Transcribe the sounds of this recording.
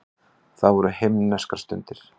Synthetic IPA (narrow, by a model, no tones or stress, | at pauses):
θaðvɔɾʏhemnɛskaɾst̪ʏnt̪ɪɾ̥